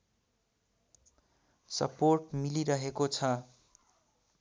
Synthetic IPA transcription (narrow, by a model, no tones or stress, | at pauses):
sʌ̰porʈmiliɾʌɦekot͡sʰʌ